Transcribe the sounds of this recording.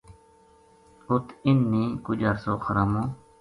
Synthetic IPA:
ʊt̪ɪnːĩːkʊd͡ʒəɾsoːxəɾaːmõː

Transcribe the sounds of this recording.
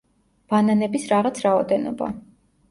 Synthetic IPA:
b̥ananɛbisɾaʁat̪sʰɾaɔd̪ɛnɔ̰ba̰

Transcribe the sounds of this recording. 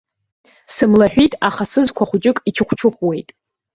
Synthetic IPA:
sɨmlaħʷᶣitʼaχasɨzkʷʰaχʷʊt͡ʃʼɪkʼit͡ʃʰɨχʷʰt͡ʃʰɨχʷwe̞jtʼ

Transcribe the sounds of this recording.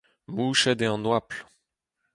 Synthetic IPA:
muʃɛd̪eɑ̃nwapl

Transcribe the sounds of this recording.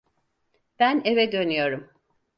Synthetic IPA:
b̥ænevɛd̪ø̞nyjo̞ɾum

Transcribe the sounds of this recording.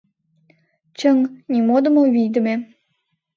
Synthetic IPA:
t͡ɕəŋnʲimod̪ə̆moβijd̪ə̆me

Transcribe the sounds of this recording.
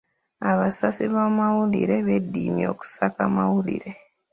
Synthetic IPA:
aβasasiβamawulḭɾe̞βedːimjo̞̰ːku̥sakamawulḭɾe̞

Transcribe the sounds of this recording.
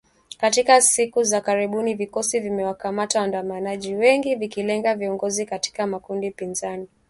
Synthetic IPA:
katikasikuzakaɾiɓunivikɔsivimɛwakamatawandamanaʄiwɛŋɡivikilɛŋɡaviɔŋɡɔzikati̥kamakundipinzani

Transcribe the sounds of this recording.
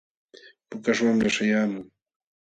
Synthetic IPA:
pʊkaʃwamɾaʃajaːmʊŋ

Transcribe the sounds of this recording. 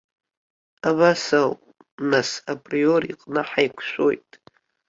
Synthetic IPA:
aβasawpʼ | nasapʼrio̞rḭqʼnɨħajkʷʰʃʷo̰jtʼ

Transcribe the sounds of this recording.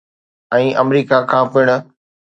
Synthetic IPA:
ɛ̃ːʔɐmɾiːkakʰãːpɪɽ̃ʊ̆

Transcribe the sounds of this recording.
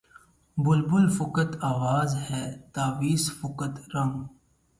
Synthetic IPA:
bʊlbʊlfʊkət̪aːʋaːzhɛːt̪aːʋiːsfʊkət̪ɾɐ̃ŋɡ

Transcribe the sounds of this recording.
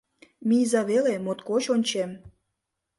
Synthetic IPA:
mizɑβelemot̪kot͡ɕonʲt͡ɕem

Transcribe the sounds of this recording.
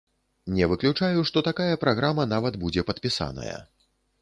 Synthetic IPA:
nʲɛvɨklʲut͡ʂajuʂt̪ɔt̪akajɐpɾaɣɾamɐnavɐd̪bud͡zʲɛpɐt̪pʲisa̰nɐ̰jɐ̰

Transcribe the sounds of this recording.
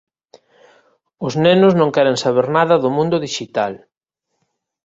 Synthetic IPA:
ʊznenʊznõŋkɛɾeŋsaβ̞eɾnaðɐðʊmũnd̪ʊðiʃit̪al

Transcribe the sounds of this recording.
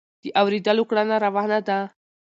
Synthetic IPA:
d̪̥iʔawɾid̪alukɽanaɾaʋaɦnad̪a

